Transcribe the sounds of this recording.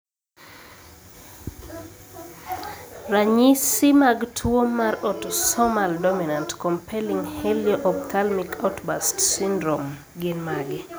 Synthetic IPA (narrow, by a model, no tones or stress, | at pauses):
raɲisimaɡtʰwomaɾɔtsɔmaldominantkɔmpʰɛliŋhɛljɔʔɔptʰalmikʰatbastsindɾom | ɡɪnmaɡɪ